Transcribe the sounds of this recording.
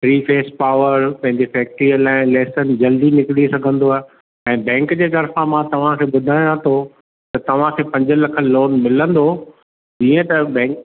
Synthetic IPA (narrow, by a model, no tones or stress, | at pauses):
fɾiːfeːspaːʋəɾpɐ̃ɦɪ̃ɲd͡ʑefɛːk̚ʈɾiəlaːɪlɛːsənɪ̆d͡ʑɐld̪inɪkɪɽisɐɡʱə̃nd̪oaːɦe | ɛ̃ːbɛ̃ːŋkd͡ʑeːt̪ɐɾfãmãt̪ɐʋ̤ãkʰeːɓʊd̪ʱaːɪ̃ãt̪ʰo | t̪ɐt̪ɐʋ̤ãkʰeːpɐ̃ɲd͡ʑə̆lɐkʰəloːnmɪlə̃nd̪o | d͡ʑiːə̃t̪ɐbɛ̃ːk